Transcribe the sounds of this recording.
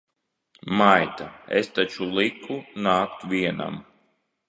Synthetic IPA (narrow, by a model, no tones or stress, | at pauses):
majt̪aḛst̪at͡ʃulˠikʰunaːkt̪vʲiɛna̰m